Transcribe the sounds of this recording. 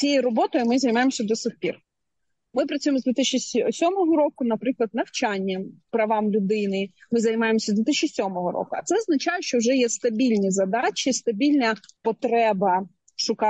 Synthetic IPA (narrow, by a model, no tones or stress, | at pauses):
t͡sʲijjɾɔbɔt̪ɔjʊmɪzɐjmɑjemɔsʲɐd̪ɔsɪtʲpʲḭr | mɪpɾɐt̪ʲujemɔzd̪ʋʲiɪt̪ɪʃʲt͡ʃːɪsʲɔmɔɦɔɾɔkʊnɐpɾɪklˠɐd̪nɐwt͡ʃɑnʲːɐpɾɐʋɑmlʲʊd̪ɪnɪmɪzɐjmɑjemɔsʲɐzd̪ʋʲiɪt̪ɪʃʲt͡ʃɪsʲɔmɔɦɔɾɔ̰kʊɐ̰t̪sɛɔznɐt͡ʃɑjɛʃt͡ʃɔwʒɛjɛst̪ɐbʲilʲnʲizɐd̪ɑt͡ʃist̪ɐbʲilʲnɐpɔt̪ɾɛbɐ | ʃʊkɑ